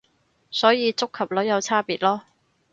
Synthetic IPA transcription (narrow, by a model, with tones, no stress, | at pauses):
sɔː˨˥jiː˨˧t͡sʊ˥kʰːɐ˨p̚lo˨˥wjɐ˨˧wt͡sʰaː˥piː˨t̚lɔː˥